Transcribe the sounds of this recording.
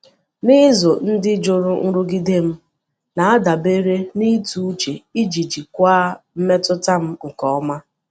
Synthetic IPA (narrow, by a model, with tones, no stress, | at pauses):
nɪ˦zo˨n̩˦dɪ˦d͡ʒo˨ɾʊ˦ŋ̩˦ɾʊ˦ɡi˦de˦m̩˦ | na˨a˦da˨be˦ɾe˦ni˦tu˦u˦t͡ʃe˨i˦d͡ʒi˨d͡ʒi˨kʷaː˦m̩˦me˦tʊ˦ta˦m̩˦ŋ̩˨kɔ˦ma˦